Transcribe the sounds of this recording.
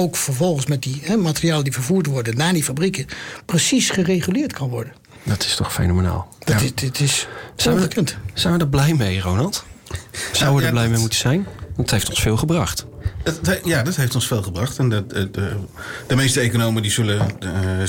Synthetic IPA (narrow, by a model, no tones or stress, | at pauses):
owkfəɹvɔlˠχənsmɛt̚diɦɛmaːtəriaːlˠədivəɹvuːɹtʋɔɹdənaːdifabrikəprəsisχərejχylɪːɹtkɑnʋɔɹdən | dɑtɪ̥stɔχfḛnomina̰ːlˠdtɪssəəkɛntsawnʋədɔblɛjmejrownɑlˠt | sawʋədblɛjmejmutəz̥ɛjnnɑthɦejftɔnsfɪːlˠχəbrɑχt | jaːdɑtɦejftɔnsfeːlˠχəbrɑχtɛn | d̥əmejstəejkonowmədizɵlə